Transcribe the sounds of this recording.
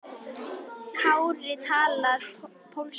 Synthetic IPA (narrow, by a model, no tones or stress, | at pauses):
kʰaʊrɪtʰala | pʰom̩ɬ